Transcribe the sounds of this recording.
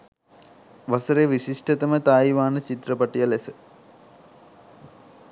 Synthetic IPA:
ʋɐsɐɾeʋiɕiʂʈɐt̪ɐmɐt̪aːjʋaːnɐt͡ɕit̪ɾɐpɐʈːijɐlesɨ

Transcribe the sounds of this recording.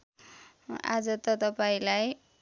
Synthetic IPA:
a̰d͡zɔt̪ɔd̪ɔpaĩlaj

